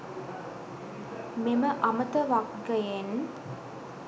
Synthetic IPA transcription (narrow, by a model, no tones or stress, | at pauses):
meməʔamət̪əʋakɡɐjen